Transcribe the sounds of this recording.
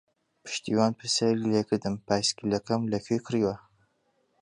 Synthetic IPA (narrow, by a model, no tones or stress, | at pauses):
pʰɨ̥ʃt̪ʰiːwɑːnpʰɨsɐɾileːkʰɨɾd̪ɨmpʰaːjskilɐkɐmlɐkʰyjkʰɨɾiːwɐ